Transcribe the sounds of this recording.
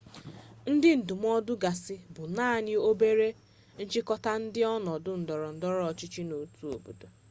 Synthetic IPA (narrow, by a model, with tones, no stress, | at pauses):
n̩˦dɪ˦n̩˨dʊ˨m˦ɔ˦dʊ˦ɡa˨sɪ˦bʊ˨naː˦˨ɲɪ˦o˦be˦ɾe˦ | n̩˦t͡ʃɪ˦kɔ˦ta˦n̩˦dɪ˦ɔ˦nɔ˨dʊ˦n̩˨dɔ˨ɾɔ˨n̩˨dɔ˦ɾɔ˦ɔ˨t͡ʃɪ˦t͡ʃi˦no˨tu˦o˨bo̰˨do˨